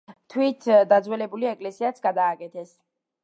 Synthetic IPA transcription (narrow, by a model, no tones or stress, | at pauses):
t̪ʰwit̪ʰd̪ad̪zwɛlɛbuliɛkʼlɛsiat̪sʰɡad̪aːkʼɛt̪ʰɛs